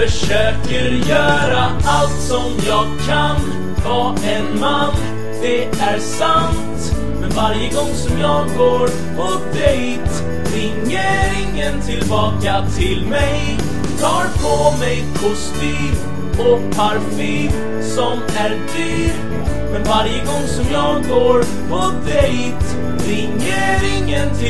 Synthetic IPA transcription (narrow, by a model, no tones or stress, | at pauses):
fœʂøːkəɾjœːɾaalt̪sɔmjɑːɡkʰːan | vɑːʔɛnman | d̪̥ɛ | æɾsant̪ | mɛnvaɾjəɡɔŋːsɔmjɑːɡːoːɾ | pʰɔ | d̪ɛj | t̪ | ɾɛŋjeːɾɪŋənt̪ʰɪlbɑːkat̪ʰɪlmɛj | t̪ʰɑːɾpʰɔmɛjkʰʊst̪yːm | ɔpʰaɾfyːm | sɔm | æɾd̪yːɾ | mɛnvaɾjəɡɔŋːsɔmjɑːɡːoːɾ | pɔ | d̪ɛj | t̪ | ɾɛŋjeːɾɪŋənt̪ʰɪ